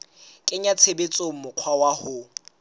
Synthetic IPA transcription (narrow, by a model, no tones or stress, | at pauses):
kʼɪɲat͡sʰebet͡sʼomʊq͡χʰwawahʊ